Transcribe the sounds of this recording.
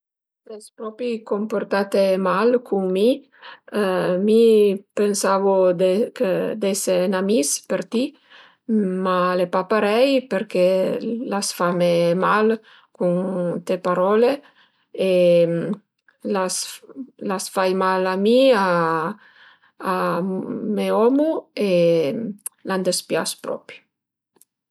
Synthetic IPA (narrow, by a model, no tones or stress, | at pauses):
sɛspɾɔpɾikomport̪at̪emalkʰuŋmi | mipensavod̪eked̪esenamispeɾt̪i | malepapaɾɛjpeɾkelasfamemal | kunt̪epaɾɔle | e | laslasfajmalamia | meɔmue | land̪espja̰spɾɔ̰pɾjo